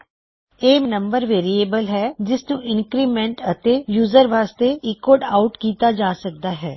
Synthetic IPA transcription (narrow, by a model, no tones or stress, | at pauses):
eːnəmbəɾʋeːɾieːbəlɦɛːd͡ʒɪsnũːʔɪnkɾiːmɛ̃ɳʈət̪eːjuːzəɾʋaːst̪eːɪkoːɖaːʊʈkiːt̪aːd͡ʒaːsək̚d̪aːɦɛː